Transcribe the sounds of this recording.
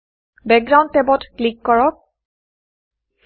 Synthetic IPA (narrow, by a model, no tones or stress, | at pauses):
bɛk̚ɡɹaw̃nttɛbɔtklikːɔɹɔk̚